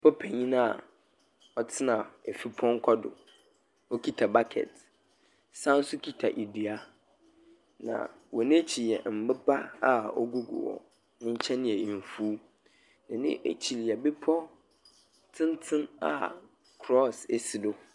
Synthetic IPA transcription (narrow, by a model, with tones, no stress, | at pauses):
pʰɔ˦pʰɛ˨ɲĩ˦nã˦˨ | ɔ˦tʰɪ˦nã˨e˨fi˦pʰɔ̃˦ŋ˦kʷʰɔ˦dʊ̰˨ | ɔ˦kʰi˦tʰa˨ba˦kʰɛ̰˨t | sã˦n˦sʊ˦kʰi˦tʰa˨ʔi˨di˨a˦ | nã̰˨ | wɔ˨nẽ˦t͡ɕʰi˨jɛ˨m̩˨bɪ˦ba˦a˦ɔ̰˦ɡo˦ɡʊ̰˨wɔ̰˨ | nʊ̃˦ɲ̩˦t͡ɕʰɛ̃˦nɪ̃˦ɛ˨i˨m˨fu˦ | nɪ̃˨nɪ̰̃˦ʔḛ˨t͡ɕʰi˨li˨ɛ˨bɪ˦pʰɔ˦ | tʰɪ̃˦n˦tʰɪ̃˦na̰˨ | kʰɾɔ˦se˨sɪ˨dʊ˦